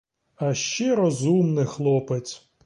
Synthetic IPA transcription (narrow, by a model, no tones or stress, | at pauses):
ɐʃt͡ʃɛɾɔzumnɪxlˠɔpesʲ